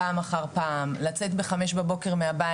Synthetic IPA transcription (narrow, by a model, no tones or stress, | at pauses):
amaχaʁpaːmlat͡se̞t̪be̞χameʃbabo̞ke̞ʁmeaba